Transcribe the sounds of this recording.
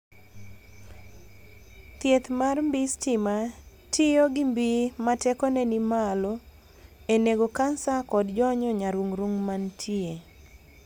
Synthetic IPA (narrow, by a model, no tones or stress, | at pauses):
t̪jet̪marmbistɪma | tɪjoɡimbimatɛkɔnɛnimalɔ | eneɡokansakɔdd͡ʒɔɲɔɲaɾuŋɾuŋmantʰie